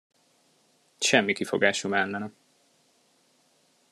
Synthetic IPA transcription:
ʃɛmːikifo̞̰ɡaːʃumɛlːɛnɛ

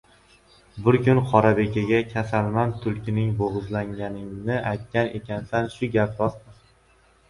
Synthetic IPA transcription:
bɪɾkʲʊnqʰɒɾabe̞kʲaɡʲakʲʰasalmamt̪ʰʊlˠkʲʰɪnɪŋboʁɨzlaŋʲanɪŋnɪʔajt̪̚kʲane̞̰kʲansanʃʊɡʲapɾɒsmɪ

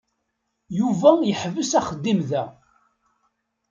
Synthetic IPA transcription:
juvæjəħvəsæχəd̪ːimðæ

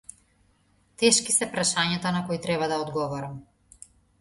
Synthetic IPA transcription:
t̪ɛʃkisɛpɾaʃaɲat̪anakɔit̪ɾɛβad̪aɔd̪ɡɔvɔɾam

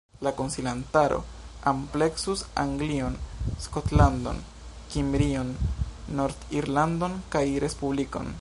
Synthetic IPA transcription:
lakonsilantaɾo̞̰ample̞ksusa̰ŋɡlio̞nskotlando̞̰n | kimbɾio̞nːo̞ɾd̪iɾlando̞nkajɾʔe̞spubliko̞̰n

